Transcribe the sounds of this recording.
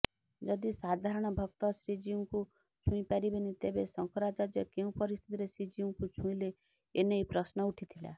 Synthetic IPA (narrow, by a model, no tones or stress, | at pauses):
d͡ʒɔd̪isad̪ʱaɾɔɽ̃ɔbʱɔk̚t̪ɔsɾid͡ʒiũku | t͡ʃʰũĩpaɾibenit̪ebesɔŋkɔɾad͡ʒad͡ʒjɔkeũpɔɾist̪ʰi̥t̪iɾesɾid͡ʒiũkut͡ʃʰũĩleː | nejpɾɔsnɔuʈʰit̪ʰila̰